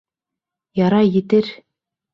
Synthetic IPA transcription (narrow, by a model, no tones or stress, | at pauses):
jɑɾɑjɘ̆t̪ɘɾ